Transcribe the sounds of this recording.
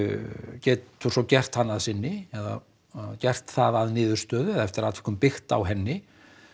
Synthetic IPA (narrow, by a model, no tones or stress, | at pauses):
cɛːt̪ʏ̥sɔcɛr̥t̪hanːaðsɪnːɪɛða̰ | cɛr̥t̪θa̰ðaðnɪːðʏɾ̥st̪œːðʏɛðaɛft̪ɪɾat̪vɛ̥hk̪ʏmpɪxt̪a̰wɦɛnːɪ